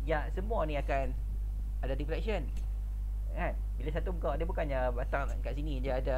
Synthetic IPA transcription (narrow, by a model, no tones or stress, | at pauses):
jasəmuanĩakan | adadipɾɛksən | an | bilasat̪umukawadabukanabat̪aŋkaʔsinĩdaːda